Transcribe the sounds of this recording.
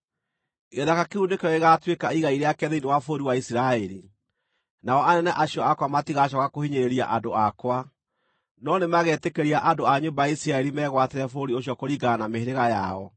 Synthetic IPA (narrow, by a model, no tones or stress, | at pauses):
ɣeðakakeuːndekɛɔeɣatwekaiɣaiɾeakɛðeinewafoɾiwaisiɾaɛɾi | naɔanɛnɛʔaɕjɔakwamatiɣaɕ̬ɔkakohiɲeɾeɾia̰ʔadoakwa | nɔnemaɣɛtekeɾiaʔadoaɲombajaisiɾaɛɾimɛɣwateɾɛfoɾioɕjɔkoɾiɡanameheɾeɣaja̰ɔ